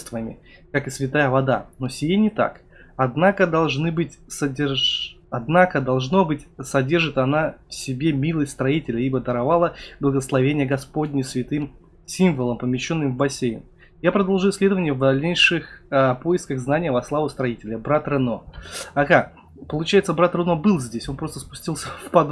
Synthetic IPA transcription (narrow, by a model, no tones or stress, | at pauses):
st̪vəmʲɪ̰kakɨsvʲɪt̪ajəvɐd̪a̰no̞sʲɪjenʲɪt̪a̰k | ɐd̪nakəd̪ɐlˠʐnɨbɨtʲsədʲɪɐd̪nakəd̪ɐlˠʐno̞bɨtʲsɐdʲe̞rʐɨt̪ɐnafsʲɪbʲe̞mʲilˠəsʲtʲst̪ɾɐitʲɪlʲəibəd̪əɾɐvalˠəblˠəɡəslˠɐvʲenʲɪjəɡɐspo̞dʲnʲɪsvʲɪt̪ɨm | sʲimvəlˠəmpəmʲɪɕːo̞nːɨmvbɐsʲejɪ̰n | japɾəd̪ɐlˠʐuɪsʲlʲe̞d̪əvənʲɪjəvd̪ɐlʲnʲejʂɨxəpo̞ɪskəɣznanʲɪjəvɐslˠavʊst̪ɾɐitʲɪlʲəbɾat̪rɨno̞ɐɣa | pəlˠʊt͡ɕæjɪt̪səbɾat̪rɨno̞bɨlˠzʲdʲesʲo̞npɾost̪ə̥spʊ̥sʲtʲilˠsʲəfpɐd̪